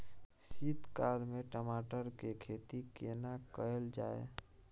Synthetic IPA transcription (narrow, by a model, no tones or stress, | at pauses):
sit̪kaɾmeʈəmaʈəɾkekʰet̪ikenakəeld͡ʒae